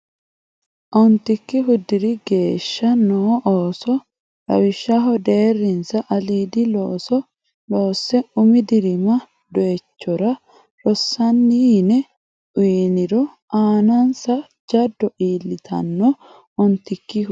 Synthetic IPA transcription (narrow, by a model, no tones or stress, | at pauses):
ʔɔnt̪ɪkːɪɦʊd̪ɪɾɪɡe̞ːʃːɐnɔːʔoːsɔ | ɾɐ̰wɪʃːɐɦɔd̪e̞ːrːɪnsɐʔɐliːd̪ɪloːsɔ | loːsːɛʊmɪd̪ɪɾɪmɐ | d̪ɔɛt͡ʃːɔɾɐ | ɾɔsːɐnːinɛ | ʊːnɪɾɔ | aːnɐnsɐ | d͡ʒɐd̪ːɔʔiːlːɪt̪ʰɐ̰nːɔ | ʔɔnt̪ɪkːɪ